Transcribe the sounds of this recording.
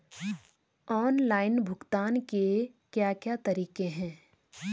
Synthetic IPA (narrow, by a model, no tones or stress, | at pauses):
ɔːnlaːɪnbʱʊɡt̪aːnke | kjaːkjaːt̪ɐɾiːqeɦɛ̃ː